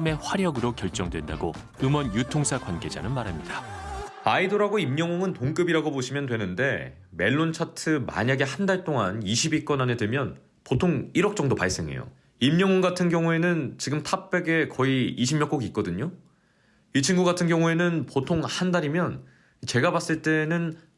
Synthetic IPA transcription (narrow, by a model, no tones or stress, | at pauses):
me̞ɸwaɾjʌɡɯɾokjʌɭt͡ɕ͈ʌŋdwe̞nda̰ɡo | ɯmʌnjutʰoŋsʰakwanɡe̞d͡ʑa̰nɯnmaɾɦamɲidaaidoɾaɡoimɲʌŋoŋɯntoŋk͈ɯbiɾaɡopoɕʰimjʌndwe̞nɯnde̞ | me̞ɭːont͡ɕʰatʰɯma̰ɲaɡe̞handaɭt͈oŋaniɕʰibik͈ʌnanedwemjʌn | potʰoŋiɾʌk̚t͡ɕ͈ʌŋdopaɭs͈e̞ŋe̞̰jo̰ | imɲʌŋoŋɡatʰɯnɡjʌŋue̞nɯnt͡ɕiɡɯmtʰap̚p͈e̞ɡe̞kʌiiɕʰimjʌk͈oɡik̚k͈ʌdɯɲo | it͡ɕʰinɡuɡatʰɯnɡjʌŋue̞nɯnpotʰoŋhandaɾimjʌn | it͡ɕe̞ɡabas͈ɯɭt͈e̞nɯn